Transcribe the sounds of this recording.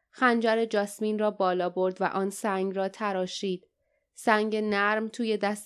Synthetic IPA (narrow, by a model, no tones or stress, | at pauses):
xænd͡ʒæɾed͡ʒɒːsmiːnrɒːbɒːlɒːbo̞ɾd̪væ̰ʔɒːnsæŋɡrɒːt̪ʰæɾɒːʃiːd̪̥ | sæŋɟenæɾmt̪ʰuːje̞d̪æs